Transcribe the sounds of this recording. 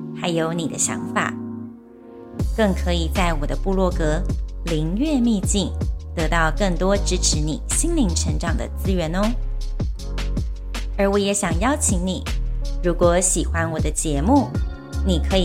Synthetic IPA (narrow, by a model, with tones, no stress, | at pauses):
xa˧˥ɪjo˧˥ʊni˨˩d̪ə˦ɕjɑ̰˧˥ŋfa̰˨˩˦ | kɤ˥˩ŋkʰɤ˧˥i˨˩t͡sa˥˩ɪwɔ˨˩d̪ə˦pu˥˧lwɔ˥˩kɤ˧˥li˧˥ŋɥɛ˥˧mi˥˧t͡ɕi˥˩ŋt̪ɤ˧˥t̪ɑ˥˧ʊkɤ˥˩ŋt̪wɔ˥ʈ͡ʂɻ̩˥ʈ͡ʂʰɻ̩˧˥nḭ˨˩ɕi˥nli˧˥ŋʈ͡ʂʰə˧˥ŋʈ͡ʂɑ˨˩ŋd̪ə̰˦t͡sɹ̩˥ɥɛ˧˥no˥ | ə˞˧˥wɔ˧˥jɛ˧˥ɕjɑ˨˩ŋjɑ˥ʊt͡ɕʰi˧˥ŋni˨˩˦ɻu˧˥kwɔ˧˥ɕi˨˩xwa˦nwɔ˨˩d̪ə˦t͡ɕjɛ˧˥mu˥˩ | ni˨˩kʰɤ˧˥i˨